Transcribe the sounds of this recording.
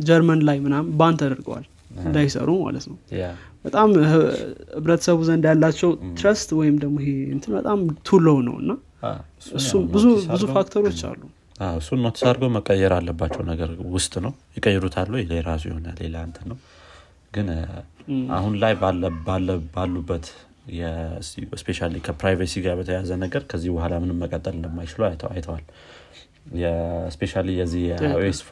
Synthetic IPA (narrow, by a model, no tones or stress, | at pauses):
d͡ʒɛɾmənlajmɨnambant̪ʰad̪əɾɡə̰wa̰l | ɨnd̪ajsə̰ɾuma̰lət̪nəwb̥ət̪ʼam | hɨβɾət̪ʰə̥səβuzənd̪ajalːat͡ʃːɛwt̪ʰɾəst̪wɔjɪmd̪əɡmoɦeɨnt̪ʰɨnbət̪ʼamt̪ʰuləwnə̰wɨ̰nːa | ɨsːubɨzubɨzufak̚t̪ʰəɾo̞t͡ʃːa̰lːu | aɨsːunːot̪ʰə̥sad̪ɾɡəwməkʼːəjːɛɾalːəbːat͡ʃːɛwnəɡəɾwʊst̪ʼnəwjɪkʼəjːɛd̪ut̪ʰalːujɛleɾas̬ujɪho̞na̰lːe̞̰lant̪ʰənːəw | ɡɨn | ʔa̰hunlajbabalːəbalːubːət̪ | jɛsspʰe̞ʃalikʰəpɾajvasiɡaɾbət̪ʰəjazənəɡəɾkʰəzːihbəhalamɨnɨmːəkʼət̪ʼːəlɨnd̪əmːajt͡ʃɪləwajt̪ʰəa̰jt̪ʰəwal | jɛspʰe̞ʃalijɛzːihjes